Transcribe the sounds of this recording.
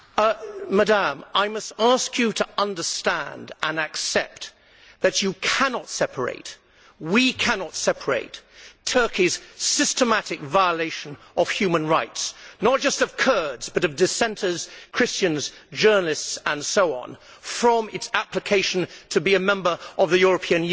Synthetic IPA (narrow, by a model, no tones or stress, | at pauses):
mədæ̃maɪmʌstæskʰjɨɾəʌ̃ndə˞stæ̃ndə̃nɨksɛp̚t̪̚ | ðɨt͡ʃɨkʰænɑtsɛpʰə˞ḛɪt̚ | wikʰænɑtsɛpʰə˞ḛɪttʰɜ˞kiz̥sɪstəmæɾɨkvaɪəleɪʃɨ̃n | ʔʌv̥hjʉmɨ̃nɹaɪtsnət̚d̥ʒ̥ʌstʌv̥kʰɜ˞dzbʌɾʌvdɨsɛ̃ntʰə˞z̥kʰɹ̥ɪst͡ʃɨ̃nz̥d͡ʒɜ˞nl̩ˠɨstsə̃nsoʊɑ̰̃n | fɹʌ̃mɨtsæplɨkʰeɪʃn̩tʰɨbiɨmɛ̃mbə˞ʌvðɨjʊɹɨpʰĩɨ̃n